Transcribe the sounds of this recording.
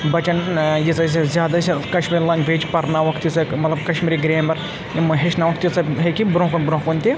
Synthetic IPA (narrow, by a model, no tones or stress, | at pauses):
bɐt͡ʃɐnjit͡sɐsɐzʲjaːd̪askɐʃmiɾʲlɐŋɡʋeːt͡ʃpɐɾnaːʋɐkʰt̪jit͡sɐmɐt̪lɐb̚kɐʃmiɾiɡɾeːmɐɾ | ɦeʃnaːʋɐk̚t̪jit͡sɐɦekʲibɾõːkonbɾõːkonʲt̪ʲi